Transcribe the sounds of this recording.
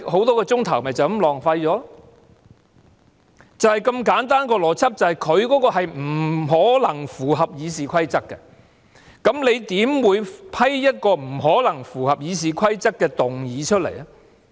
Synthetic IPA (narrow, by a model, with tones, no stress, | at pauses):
ho˨˥wt̪ɔː˥kɛ˧t͡sʊ˥ŋt̪ʰɐ˨˩wmɐ˨jt͡sɐ˨wɐ˨˥mlɔː˨˩ŋfɐ˧jt͡ʃɔː˨˥ | t͡sɐ˨whɐ˨jkɐ˧mkaː˨˥nt̪aː˥nkɔː˧lɔː˨˩t͡sʰɐ˥p̚t͡sɐ˨whɐ˨˩jkʰɵ˨˧ɥkɔː˨˥kɔː˧ɦɐ˨jm̩˨˩ɦɔː˨˥lɐ˨˩ŋfuː˨˩ɦɐ˨p̚jiː˨˧s̬iː˨kʷʰɐ˥jt͡sɐ˥kːɛ˧ | kɐ˨˥mle˨˧jt̪iː˨˥mwuː˨˧jpʰɐ˥jjɐ˥t̚kɔː˧m̩˨˩ɦɔː˨˥lɐ˨˩ŋfuː˨˩hɐ˨p̚jiː˨˧s̬iː˨kʰɐ˥jt͡sɐ˥kːɛː˧t̪ʊ˨ŋjiː˨˧t͡ʃʰɵ˥t̚lḛ˨˩jɐ˨